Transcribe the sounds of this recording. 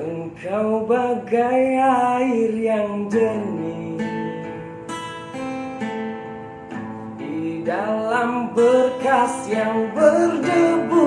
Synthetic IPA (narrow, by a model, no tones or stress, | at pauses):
əŋkawbaɡajaɪrjaŋd͡ʒəni | didalambəkasjaŋbərdəbu